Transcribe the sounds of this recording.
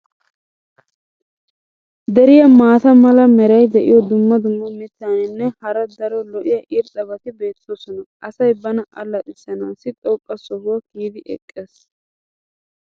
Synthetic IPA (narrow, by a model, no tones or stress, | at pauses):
d̪ɛɾɪjɐmaːt̪ɐmɐlɐmɛɾɐjd̪ɛʔɪ̰jɔd̪ʊmːɐd̪ʊmːɔmɪt̪ːaːnɪnːɛhɐɾɐd̪ɐɾɔlɔʔɪjɐʔɪɾt̪ʼɐbɐt̪ɪbe̞ːt̪ːosɔnɐɐsɐjbɐnɐʔɐlːɐt̪ʼɪsːɐnaːsɪt̪ʼɔkʼːɐsɔhʊwɐɡiːd̪ɪʔɛ̰kʼːeːs